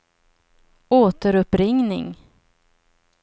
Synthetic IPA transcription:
oːt̪əɾɵpɾɪŋnɪ̰ŋ

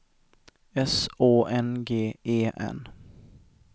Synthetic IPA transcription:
ɛsoːʔɛnɡeːeːʔɛ̰n

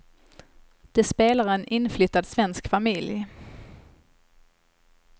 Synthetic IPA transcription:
d̪̥ɛspeːlaɾɛnʔɪnːflʏt̪ːad̪svɛnskfamɪlj

